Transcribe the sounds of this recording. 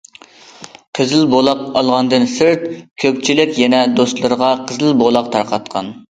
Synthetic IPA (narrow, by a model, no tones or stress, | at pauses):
qʰəzɪlbolˠɑqɑlˠʁɑnd̪ɨnsɪɾt̪̚kʲʰøpt͡ʃʰilɪkʲjɛnɛd̪ost̪lˠəɾəʁɑqʰəzɪlbolˠɑqt̪ʰɑɾqʰɑt̪qʰɑ̰n